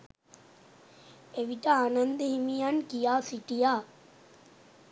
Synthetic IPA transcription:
eʋiʈaaːnɐnd̪əɦimijankijaːsiʈijaː

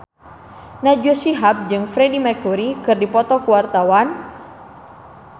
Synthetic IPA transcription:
nad͡ʒuosiɦap̚d͡ʒɨŋfɾɛdimɛkuɾikɨrdipɔt̪ɔkuwart̪awan

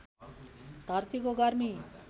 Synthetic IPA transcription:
t̪aɾt̪ʰikoɡaɾmi

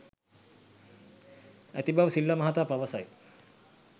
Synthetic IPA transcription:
æ̰t̪ibaʋsilːamaɦat̪apaʋasaj

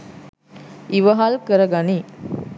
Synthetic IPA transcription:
iʋəɦalkəɾəɡani

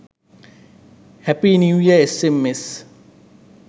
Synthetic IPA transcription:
hɛpinuwjaesemːes

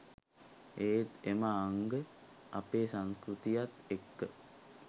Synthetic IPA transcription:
eːt̪emaːŋɡə | apeːsaŋskɾut̪ijat̪ekːə

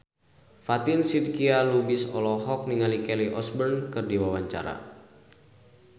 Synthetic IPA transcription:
fat̪insid̪kialubisɔ̰lɔɦɔk̚niŋalikɛliʔɔsbɛrnkɨrdiwawaɲt͡ʃa̰ɾa̰

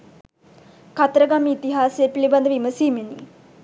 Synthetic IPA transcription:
kat̪əɾəɡamiːt̪iɦaːsejːpiliband̪əʋiməsiːmeni

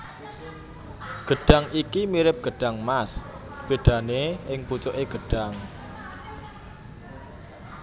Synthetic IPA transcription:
ɡ̥əɖ̥a̤ŋʔikimiɾɪp̚ɡ̥ə̤ɖ̥a̤ŋmas | b̥e̤ɖ̥ä̤neɪŋput͡ʃoʔeɡ̥əɖ̥aŋ

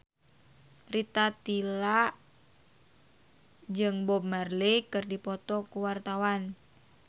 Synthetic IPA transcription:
rit̪at̪ila | d͡ʒɨŋbɔb̚marlekɨrdipɔt̪ɔkuwart̪awan

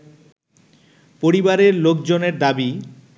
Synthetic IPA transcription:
poɾibaɾeɾlokd͡ʑoneɾd̪abi

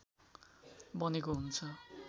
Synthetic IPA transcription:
bʌnekoɦunt͡sʰʌ

